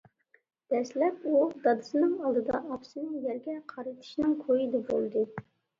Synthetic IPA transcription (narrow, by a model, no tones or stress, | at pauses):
d̪̥ɛslɛpud̪ɑd̪ɨsɨnɨŋɑlˠd̪ɨd̪ɑʔɑpsɨnɨŋjɛɾɡʲɛqʰɑɾɨt̪ʰɨ̥ʃnɨŋkʰojid̪ɛbolˠd̪ɨ